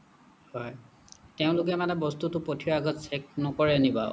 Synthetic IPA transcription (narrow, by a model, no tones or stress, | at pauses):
hɔj | teʊ̃lʊk̬ɛmanɛbɔstutʊpotʰiɹaɡɔtsɛk̚nɔkɔɹɛniba̰